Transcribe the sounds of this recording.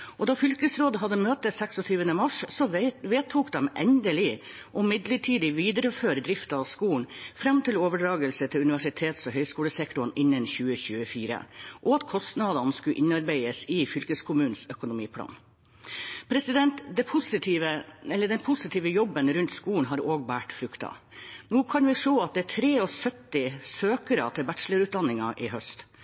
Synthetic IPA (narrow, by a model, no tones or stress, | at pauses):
ʔɔd̪ɑːfʏlkəsɾoːd̪əɦɑd̪ːəmøːt̪əsɛksɔt̪ʰyːʋənəmɑʂsɔʋeːt̪ʰuːkd̪ɛmʔɛnd̪əlɪ | ʔɔmɪd̪ləʈʰiːd̪ɪʋiːd̪əɾəføːɾəd̪ɾɪft̪ɑɑʋskuːɳ̩fɾɑmt̪ɪloːʋəɖɾɑːɡəlsət̪ʰɪlʉnɪʋæʂɪt̪ʰeːt̪sɔɦœʏskuːləsɛkt̪ʊnʔɪnːənçʉːəçʉːəfiːɾə̰ʔɔɑt̪kʰɔst̪nɑd̪ɑnskʉʔɪnɑɾbeɪəsɪːfʏlkəskʰʊmʉːn̩sœkʊnʊmiːpʰlɑ̰ːn | pʰɾɛsɪd̪ɛnt̪d̪ɛpʰʊsɪt̪ʰiʋəɛlːəɖɛnpʰʊsɪt̪ʰiːʋəjɔbːənɾʉnt̪skuːɳ̩ɦɑɾoːɡbæːʈfɾʉkt̪ɑ̰ | nuːkʰɑnʋɪʂoːɑt̪̚d̪ɛːʈʰɾeːɔsœt̪ːɪsøːkəɾɑt̪ʰɪlbæʈʂləɾʉːt̪̚d̪ɑnɪŋɑʔɪɦœst̪